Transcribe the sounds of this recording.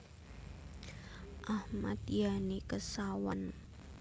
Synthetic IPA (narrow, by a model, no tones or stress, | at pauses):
ʔahmat̪̚janikəsawan